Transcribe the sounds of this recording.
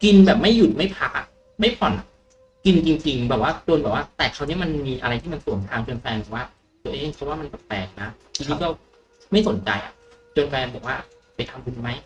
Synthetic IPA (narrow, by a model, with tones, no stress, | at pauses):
ki˧nbɛː˨˩p̚ma˥˩jːu˨˩t̪̚ma˥˩jpʰa˦˥a˨˩ | ma˥˩jpʰɔ˨˩˦nʔa̰˨˩ | ki˧nt͡ɕi˧ŋt͡ɕi˧ŋbɛː˨˩p̚waː˥˩t͡ɕoː˧nbɛː˨˩waː˥˩t̪ɛː˨˩kʰa˦˥wni˦˥ma˧nmiː˧ʔa˧ɾa˧jt̪ʰiː˥˩ma˧nsu˨˩˦ŋt̪ʰaː˧mt͡ɕo˧nfɛː˧nbɛː˨˩waː˥˩ | t̪o˧˩ʔe˧hk̪̚ʰːwaː˥˩ma˧npɛ˨˩pɛː˨˩k̚na˦˥i˧t̪ʰiː˨˦˥kɔː˥˩ | ma˥˩jso˩˦nt͡ɕa̰˧jʔa̰˨˩ʔt͡ɕo˧nka˧ja˧nbɔː˨˩k̚waː˥˩ | pa˧jt̪ʰa˧mku˧ma˦˥j